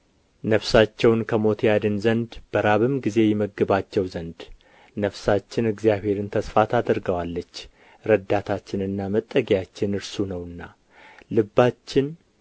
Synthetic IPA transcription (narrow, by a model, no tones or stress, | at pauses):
nəfsat͡ʃːɛwnkʰəmo̞t̪ʰjad̪ɨnzənd̪b̥əɾaβɨmɡize̞jɛməɡɨβat͡ʃːɛwzənd̪ | nəfsat͡ʃːɪnɨɡzijaβ̥he̞ɾɨnt̪ʰəsfat̪ʰad̪ɨɾɡəwalːət͡ʃː | ɾəd̪at̪ʰat͡ʃːɪnɨnːamət̪ʼːəɡijat͡ʃːɪnɨɾsunəwɨnːa | lɨbːat͡ʃːɪn